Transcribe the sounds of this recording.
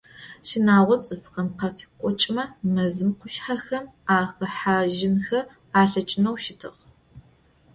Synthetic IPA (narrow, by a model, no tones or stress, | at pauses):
ʃɪnaːʁʷɔt͡sʼɨfxɐnqɐfikʷʼɔt͡ʃʼmɐmɐzɨmqʷʰʊʃħaxɐmaːxɐħaʒɪnxɐ | aːɬɐt͡ʃʼɪnɐwʃɪtʰɨ̰ʁ